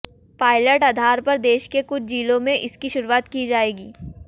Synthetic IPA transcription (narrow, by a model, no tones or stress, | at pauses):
paːɪləʈad̪ʱaːɾpɐɾd̪eːʃkekʊt͡ʃʰd͡ʒiːlõmẽʔɪskiʃʊɾuaːt̪kid͡ʒaːeːɡiː